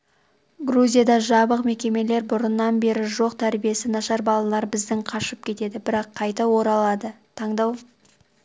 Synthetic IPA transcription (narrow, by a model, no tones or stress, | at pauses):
ɡruzʲijad̪ɑʒɑbəqme̞kʲe̞me̞le̞ɾbʊɾənːɑnbe̞ɾɪʒo̞qt̪ʰæɾbije̞sɪnɑʃɑɾbɑlˠɑlˠɑɾbɪzd̪ɪŋqʰɑʃəp̚kʲʰe̞t̪e̞d̪ɪbɪɾɑqʰːɑjt̪ɑwo̞ɾɑlˠɑd̪ə | t̪ʰɑɴd̪ɑw